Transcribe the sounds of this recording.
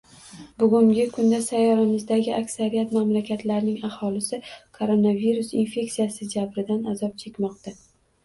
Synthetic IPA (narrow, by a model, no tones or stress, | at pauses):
bʊɡʲʊŋɡʲɪkʰʊnd̪asajɒɾamɪzd̪aɡʲɪʔakʲsaɾijat̪mamlakʲʰat̪laɾnɪŋahɒlɪsɪkʰoɾonaviɾʊsinfe̞kʲsijasɪd͡ʒabɾɪd̪anazɒp̚t͡ʃʰe̞kʲmɒqt̪a